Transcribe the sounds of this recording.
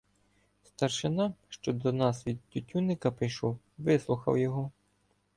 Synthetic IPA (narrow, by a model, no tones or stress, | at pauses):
st̪ɐrʃɪnɑʃt͡ʃɔd̪ɔnɑsʋʲid̪̚tʲʊtʲunɪkɐpɾɪjʃɔw | ʋɪslˠʊxɐ̰wjɔɦɔ